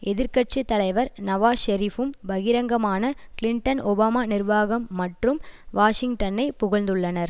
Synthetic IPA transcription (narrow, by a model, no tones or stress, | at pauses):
ʔɛðɪɾkɐʈ̚t͡ʃit̪ːɐlɐɪʋɐɾnɐʋaːʃɐɾifɯmbɐɣɪɾɐŋɡɐmaːnɐkɪlɪɳʈɐnɔbaːmaːnɪɾʋaːɣɐmːɐʈrɯmʋaːʂɪŋɡʈɐnɐɪpʊɣɐɭnd̪ɯɭːɐnɐɾ